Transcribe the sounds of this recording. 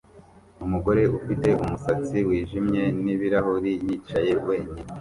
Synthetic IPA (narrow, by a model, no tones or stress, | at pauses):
umuɡo̞ɾe̞ʔufite̞ʔumusat͡siwiːʒimɲe̞niβiɾaɦuɾijit͡ʃaje̞we̞ːɲi